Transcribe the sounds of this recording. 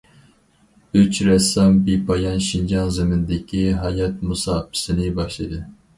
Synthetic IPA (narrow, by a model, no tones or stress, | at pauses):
yt͡ʃɾɛsɑmbipʰɑjɑnʃind͡ʒɑnzɪmɪnd̪ɪkʲʰiɦɑjɑt̪musɑːpʰɨ̥sɨnɪbɑʃlˠɨd̪ɨ